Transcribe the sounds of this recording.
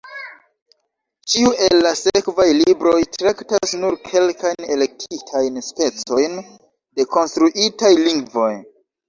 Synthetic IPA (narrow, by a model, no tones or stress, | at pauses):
t͡ʃiuʔe̞lːasekvajlibɾo̞jtɾaktasnuɾkʰe̞lkajne̞le̞k̚tʰitʰajnspe̞t͡so̞jn | de̞ko̞nstɾuʔitajliŋɡvo̞j